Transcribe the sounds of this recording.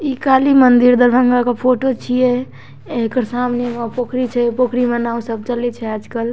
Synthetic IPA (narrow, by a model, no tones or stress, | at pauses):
ikalimənd̪iɾd̪əɾbʱəŋɡakepʰoʈot͡ʃʰijɛ | ekəɾsamnemepokɾit͡ʃʰɛpokɾimenaũsəb̚t͡ʃəlɛt͡ʃʰɛad͡ʒkəl